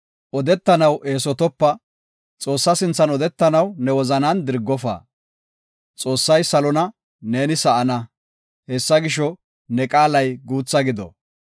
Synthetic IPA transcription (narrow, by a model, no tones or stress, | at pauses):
ʔɔd̪ɛt̪ːɐnɐwʔe̞ːsɔt̪ɔpːɐ | t͡sʼo̞ːsːɐsɪnt͡sːɐnɔd̪ɛt̪ːɐnɐwnɛwɔzɐnɐnd̪ɪɾɡːɔfa̰ː | t͡sʼo̞ːsːɐjsɐlɔnɐ | ne̞ːnɪsɐʔɐnɐ | hɛsːɐɡɪʃɔ | nɛkʼaːlɐjɡuːt͡sːɐɡɪd̪ɔ̰